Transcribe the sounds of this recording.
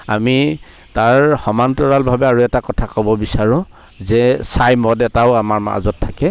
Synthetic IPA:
a̰mi | taɹxɔmantɔɹalbʱabɛaɹuɛtakɔtʰakɔbɔbisaɹʊ̃ | zɛsajmɔdɛtaʊamaɹma̰zɔtʰːakɛ

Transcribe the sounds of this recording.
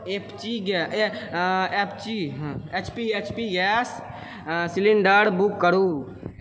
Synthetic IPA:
ept͡ʃiɡɛ | ept͡ʃĩet͡ʃpiet͡ʃpiɡɛs | siliɳɖəɽbukːəɾu

